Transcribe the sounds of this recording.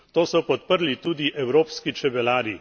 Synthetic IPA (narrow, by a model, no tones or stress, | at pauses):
t̪oːsɔpɔt̪̚pəɾlit̪uːd̪iʔɛwɾoːpskit͡ʃɛbɛlaːɾi